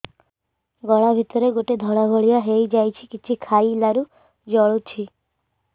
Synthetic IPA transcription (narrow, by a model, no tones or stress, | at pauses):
ɡɔɭabʱit̪ɔɾeɡoʈed̪ʱɔɭabʱɔɭijaɦejd͡ʒajt͡ʃʰikit͡ʃʰikʰajlaɾu | d͡ʒɔɭot͡ʃʰi